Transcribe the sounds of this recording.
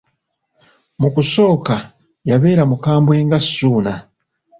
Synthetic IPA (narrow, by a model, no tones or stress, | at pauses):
mukuso̞ːka | jaβe̞ːɾamukaːmbwe̞ːŋɡasuːna